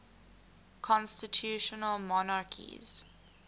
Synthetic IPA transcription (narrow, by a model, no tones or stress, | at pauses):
kʰɔ̃nstətʰjuʃənəlmɔnakʰḭz̥